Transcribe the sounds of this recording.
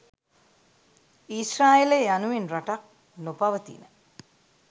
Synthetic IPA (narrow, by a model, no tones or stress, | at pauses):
israːjelejanuʋinraʈak̚ | nopaʋət̪ḭnə